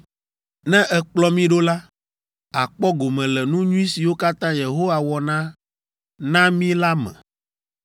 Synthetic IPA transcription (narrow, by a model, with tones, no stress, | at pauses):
nɛ̃˦ʔɛ˨k͡plɔ˦mĩ˦ɖo˦la˦ | a˨k͡pɔ˦ɡo˨mɛ̃˨lɛ˨nũ˦ɲũ˦ĩ˦si˨wo˦ka˦t̪ã˦je˨ɦo˦wa˨wɔ˨nã˦ | nã˦mĩ˦la˦mɛ̰̃˨